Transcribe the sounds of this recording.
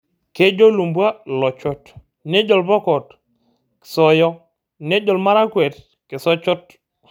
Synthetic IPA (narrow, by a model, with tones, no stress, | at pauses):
ke˦d͡ʒo˦lu˨mbwa˦lɔ˨t͡ʃɔ˦t | ne˦d͡ʒɔ˨lbɔ˦kɔ˨t | ksɔ˦jɔ˦ | ne˦d͡ʒɔ˨lma˦ɾa˦kwɛ˨t | kɪ˨sɔ˦t͡ʃʊ˦t